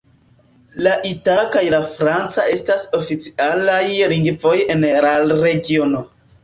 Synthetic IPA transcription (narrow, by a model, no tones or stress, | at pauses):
laʔitakajlafɾant͡sae̞staso̞fit͡si̥ʔalajliŋɡvo̞je̞nlaɾe̞ɡio̞no̞